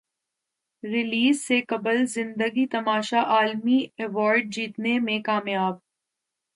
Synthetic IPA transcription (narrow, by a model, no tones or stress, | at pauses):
ɾɪliːzsekɐbəlzɪ̃nd̪əɡit̪ɐmaːʃaʔaːlmiɛʋɔːɾɖ̚d͡ʒiːt̪nemẽkaːmjaːb̚